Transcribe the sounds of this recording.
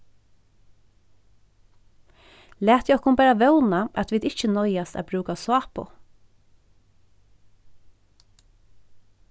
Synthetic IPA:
læːt̪ɛɔkʊmbæːɾaʋœʊnaʔɑt̪ʋiːd̪ɪt͡ʃənɔʏast̪ɑ̰bɾʉːkasɑːpʊ̰

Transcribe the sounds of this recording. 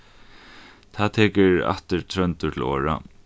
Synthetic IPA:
t̪ʰaːðt̪ʰeːkɪɹa̰ht̪ɪɹt̪ʰɾœnt̪ʊt̪ʰɪlo̰ːɹa̰

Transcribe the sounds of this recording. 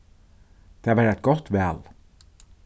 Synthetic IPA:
d̪̥eːɑʋæːɾæt̪̚ɡɔt̪ʋɛːl

